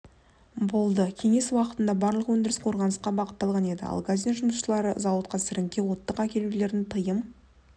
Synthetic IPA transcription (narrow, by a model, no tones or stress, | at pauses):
bo̞lˠd̪əkʲʰe̞ŋe̞swɑqət̪ənd̪ɑbɑɾlˠəqwɵnd̪ɪɾɪsqʰo̞ɾʁɑnəsqɑbɑqət̪ːɑlˠʁɑne̞d̪ɪ̰ɑ̰lˠɡazʲinʒʊməsʃəlˠɑɾəzɑwət̪̚qɑsɪɾɪŋkʲe̞wo̞t̪ːəqækʲʰelele̞ɾɪnt̪ʰəjəm